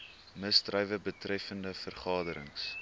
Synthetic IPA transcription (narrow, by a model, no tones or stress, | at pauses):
məsdrœjvəbətrɛfəndəfərχɑːdəɾəŋs